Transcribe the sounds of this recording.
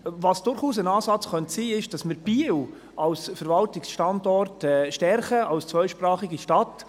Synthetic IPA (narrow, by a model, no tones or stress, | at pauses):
vɑsd̥ʊɾχuːsənɑːsɑt͡sχœntsiːɪʃd̥ɑsmɪɾb̥iw | ʔɑlsfɛɾvɑltɪksʃtɑndɔrtɛʃtɛɾχəʔɑlst͡sʋœjʃpɾɑːχiɡiʃtɑt